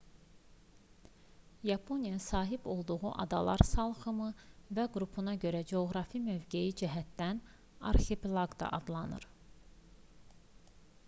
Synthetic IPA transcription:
jɑpʰo̞nijɑsɑːɦibo̞lˠd̪uɣuʔɑ̰d̪ɑ̰lˠɑ̰ɾsɑlˠχɯmɯvæɡɾupʰunɑɟøɾæd͡ʒeoɣɾɑfimø̞vɟejid͡ʒiɦæt̪d̪æn | ɑ̰ɾxeplˠɑɡd̪ɑ̰ʔɑd̪lˠɑnɯ̰ɾ

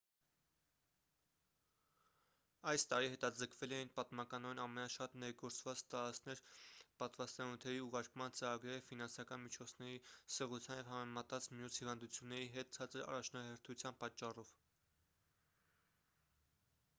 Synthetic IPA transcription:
ɑjst̪ɑɾiɦɛt̪ɑd͡zəkʰvɛlɛjinpɑt̪mɑkɑnɔɛnɑmɛnɑʃɑt̪nɛɾɡɔɾt͡svɑt͡st̪ɑɾɑt͡sʰnɛɾpɑt̪vɑst̪ɑnut̪ʰɛɾiuʁɑɾkʰmɑnt͡səɾɑɡɾɛɾfinɑnsɑkɑnmit͡ʃʰɔt͡sʰnɛɾisəʁut͡sʰjɑnjɛvhɑmɛmɑt̪ɑt͡smjushivɑnd̪ut͡sʰjunːɛɾiɦɛt̪̚t͡sʰɑt͡səɾɑ̰rɑt͡ʃʰnɑɦɛɾt̪ʰut͡sʰjɑnpɑt͡ʃːɑrɔv̥

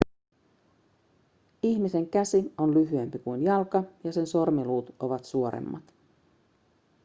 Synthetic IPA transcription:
içmise̞ŋk̟æsio̞nlyɦye̞mpikujnjɑlkɑjɑse̞nso̞rmiluːt̪o̞ʋɑt̪suo̞ɾḛmːɑ̰t̪

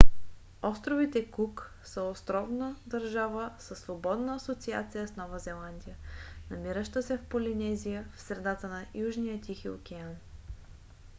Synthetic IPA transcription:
ɔst̪ɾovit̪ɛkuk | səost̪ɾɔvnəd̪ɐɾʒavəsəsːvobɔd̪nəːsot̪sia̰t̪sijəsnɔvəzɛlˠand̪ijənɐmiɾəʃt̪əsɛfpolinɛzijəfsɾɛd̪at̪ənɐjuʒnijət̪ʲixio̰kʲɛan

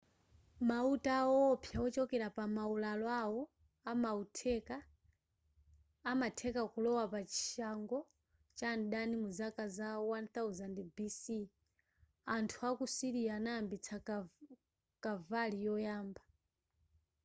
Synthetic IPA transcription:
mautaɔːpʰjawɔt͡ʃɔkɛɾapamaulalɔawɔ | amautʰɛka | matʰɛkakulɔwapat͡ʃi̥ʃaŋɡɔ | t͡ʃanɗanimuzakazawanθauzandibisi | antʰuakusiɾianaːmbit͡sʰa | kavalijɔjaːmba

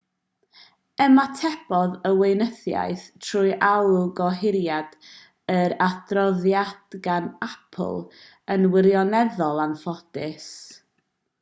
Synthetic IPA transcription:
ɛmatʰɛb̥ɔðəwejnəθja̰jθtʰruːɨʔawɡɔɦɪɾjad̥ | əɾadrɔðjad̥ɡanapʰlˠ | ənwɪɾjɔnɛðɔlˠanfɔdɪs

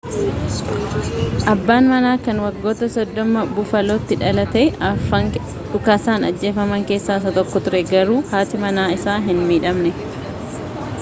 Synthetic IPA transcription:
ʔɐbːaːnmɐnaːkɐnwɐɡːo̞ːt̪ɐsɔd̪ːɔmɐbʊfɐloːt̪ːɪᶑɐlɐt̪eːɐfɐŋ | ᶑʊkaːsaːnɐ̰d͡ʒːe̞ːfɐmɐŋke̞ːsːaːs̬ɐt̪ɔkːɔt̪ʊɾɛɡɐɾuːhaːt̪ɪmɐnaːɪsaːɦɪnmiːᶑɐmnɛ

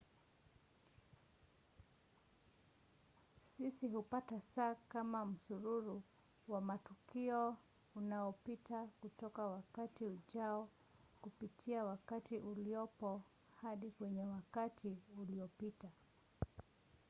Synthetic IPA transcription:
sisiɦupatasaːkamam̩suɾuɾu | wamatukiɔ | unaɔpitakutɔkawakatiuʄaɔ | kupitʰiawakatiʔuliɔpɔ | haɗikwɛɲɛwakatʰiuliɔpita

